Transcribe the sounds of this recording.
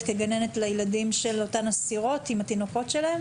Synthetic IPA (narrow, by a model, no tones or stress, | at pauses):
keɡane̞net̪lejeladimʃelo̞tanasiʁo̞timat̪ino̞ko̞tʃelaem